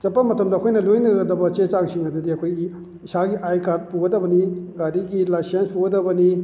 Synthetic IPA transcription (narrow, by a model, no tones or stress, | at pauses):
t͡ʃɐpːɐmɐtʰɐmdɐkʰojnɐlojnɐɡɐdɐbɐt͡ʃet͡ʃaŋsiŋɐdudiɐkʰoj | isaɡiʔajkad̚puɡɐdɐbɐniɡadiɡilajsenspuɡɐdɐbɐni